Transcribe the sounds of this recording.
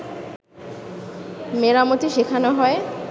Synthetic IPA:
meɾamot̪iʃekʰanoɦɔe

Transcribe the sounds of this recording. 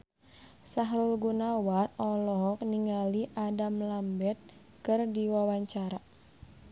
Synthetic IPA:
saɦɾulɡunawatɔlɔɦɔk̚niŋaliʔadamlambɛt̪̚ | kɨrdiwawaɲt͡ʃaɾa

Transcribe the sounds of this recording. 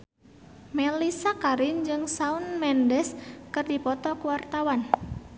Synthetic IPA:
melisakaɾɪnd͡ʒɨŋsaunmɛndɛskɨrdipɔt̪ɔkuwart̪awan

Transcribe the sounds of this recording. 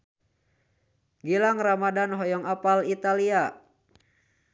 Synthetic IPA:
ɡilaŋramadanɦɔjɔŋapalit̪alia

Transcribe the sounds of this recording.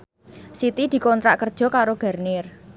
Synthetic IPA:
sit̪id̪̥i̤kɔnt̪ɾaʔkərd̥ʒ̥ɔ̤kaɾoɡ̥a̤rnɪr

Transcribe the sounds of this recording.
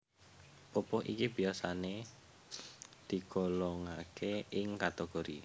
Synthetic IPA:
popɔɦʔḭkib̥i̤jasane | d̪̥i̤ɡ̥ɔlɔŋakʰeɪŋkat̪eɡ̥oɾi

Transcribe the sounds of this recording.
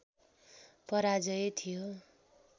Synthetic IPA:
pʌɾad͡zʌjet̪ʰijo

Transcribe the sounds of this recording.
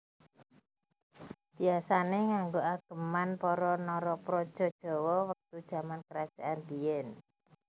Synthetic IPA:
b̥iasaneŋaŋɡoaɡ̥ə̤manpɔɾɔnɔɾɔpɾɔd̥ʒ̥ɔ̤d̥ʒ̥ɔ̤wɔwək̚t̪ud̥ʒ̥a̤mankəɾad̥ʒ̥aʔand̪ijɛn

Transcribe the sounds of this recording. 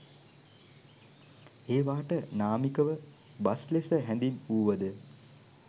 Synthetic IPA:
eːʋaːʈənaːmikəʋə | baslesəɦɛnd̪inuːʋəd̪ə

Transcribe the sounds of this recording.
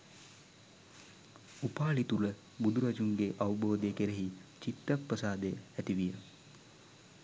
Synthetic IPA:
upaːlit̪ulə | bud̪uɾad͡ʒuŋɡeʔawboːd̪ejəkeɾeɦit͡ʃit̪ːaprəsaːd̪eəæt̪iʋijə

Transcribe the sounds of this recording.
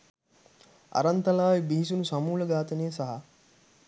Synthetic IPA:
a̰ɾant̪ɐlaːʋibiɦisunusamuːləɡaːt̪ənejəsaɦa

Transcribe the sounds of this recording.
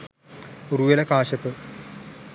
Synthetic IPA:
uruʋɐlɐkaːɕɐpːɨ

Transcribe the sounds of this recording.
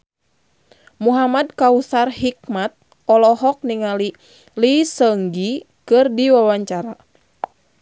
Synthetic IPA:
muɦamadkausarhik̚mat̪̚ | ɔlɔɦɔk̚niŋali | lisəŋɡi | kɨrdiwawaɲt͡ʃaɾa

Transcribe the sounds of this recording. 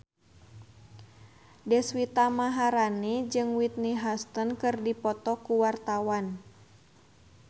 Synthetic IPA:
dɛswit̪amaɦaɾanid͡ʒɨŋwit̪̚niɦast̪ənkɨrdipɔt̪ɔkuwart̪awan

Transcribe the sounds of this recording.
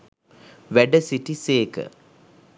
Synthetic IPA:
ʋæɖəsiʈiseːkə̰

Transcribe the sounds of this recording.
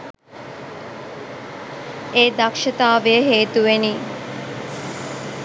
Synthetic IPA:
eːd̪ɐkʃɐt̪aːʋejəɦeːt̪uʋeniː

